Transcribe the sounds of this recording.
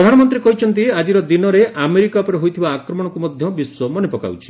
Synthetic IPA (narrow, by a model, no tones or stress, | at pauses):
ɾɔd̪ʱanɔmɔnt̪ɾikɔɦit͡ʃʰɔnt̪̬iad͡ʒiɾɔd̪inɔɾeʔameɾikapɔɾeɦojt̪ʰibaːkɾɔmɔɽɔkumɔd̪ʱjɔbiswomɔnepɔka̰wt͡ʃʰi̥